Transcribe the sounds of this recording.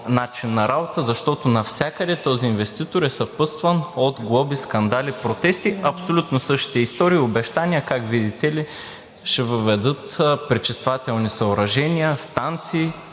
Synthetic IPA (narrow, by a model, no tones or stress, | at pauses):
nat͡ʃinːɐɾabot̪əzɐʃt̪ɔt̪onɐfsʲjakəd̪ɛt̪ɔziːnvɛst̪it̪oɾɛsɐpɤst̪vɐnod̪ɡlˠɔbiskɐnd̪alʲipɾot̪ɛst̪iɐpsolʲut̪nosɤʃt̪i̥t̪ɛist̪ɔɾiːobɛʃt̪anʲiəkakvid̪it̪ɛli | ʃɛvəvɛd̪ɤt̪pɾit͡ʃist̪vat̪ɛlˠnisɐoɾɐʒɛniəst̪ant̪siː